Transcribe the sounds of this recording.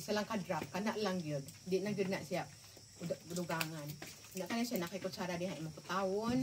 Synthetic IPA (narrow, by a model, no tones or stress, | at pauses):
səlaŋkadɾap̚kanaʔlaŋɡiəd̚diʔnaŋɡiəd̚naʔsiap̚ | udaʔəduɡaŋan | naʔkanasianakaikʊt̪̚t͡ʃaɾadiɦaimaput̪aʊn